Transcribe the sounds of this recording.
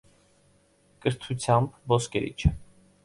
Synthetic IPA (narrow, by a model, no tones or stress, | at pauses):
kəɾt̪ʰut͡sʰjɑmbvɔskɛɾḭt͡ʃʰə